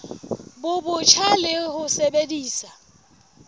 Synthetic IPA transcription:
bʊbʊt͡ʃʰalɪhʊsebediːsa

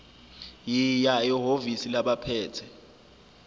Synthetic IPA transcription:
jijaiɦovisilaɓapʰɛːtʰɛ

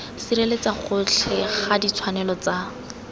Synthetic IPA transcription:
siɾelet͡saχʊt͡ɬʰɛχadit͡sʰwanɛlɔt͡sa

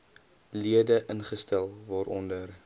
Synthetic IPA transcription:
liədəʔənχəstɛlˠvɔɾʔɔndər

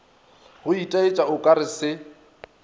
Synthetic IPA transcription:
hʊitʼaet͡ʃʼaʊkʼaɾɪsɪ

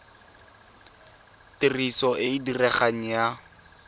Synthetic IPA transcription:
tɪrisɔʔɪidirɛχaŋ̩ja

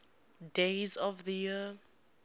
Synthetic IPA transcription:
dezɔvðəji

